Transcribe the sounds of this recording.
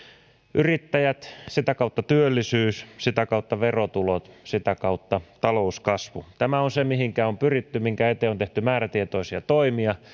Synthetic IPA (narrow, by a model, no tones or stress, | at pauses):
ʔyrit̪ːæjæt̪sit̪ækɑut̪ːɑt̪yølːisyːssit̪ækɑut̪ːɑʋerot̪ulot̪sit̪ækɑut̪ːɑt̪ɑlouskɑsʋut̪æmæonsemihiŋkæompyrit̪ːymiŋkæet̪eont̪eht̪ymæːræt̪iet̪oisiɑt̪oimiɑ